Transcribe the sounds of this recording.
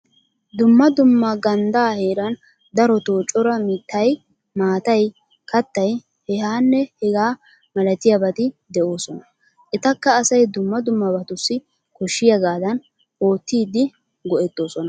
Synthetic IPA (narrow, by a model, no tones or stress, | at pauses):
d̪ʊmːɐd̪ʊmːɐɡɐnd̪aːhe̞ːɾɐn | d̪ɐɾɔt̪o̞ːt͡ʃʼːɔɾɐmɪt̪ʰːɐj | maːt̪ɐj | kɐt̪ːɐj | hɛhaːnːɛhɛɡaː | mɐlɐt̪ɪjɐbɐt̪ɪd̪ɛʔo̞ːsɔnɐ | ʔɛt̪ɐkːɐːsɐjd̪ʊmːɐd̪ʊmːɐbɐt̪ʊsːɪ | kɔʃːɪjɐɡaːd̪ɐn | o̞ːt̪ːiːd̪ɪ | ɡɔʔɛt̪ːo̞ːsɔnɐ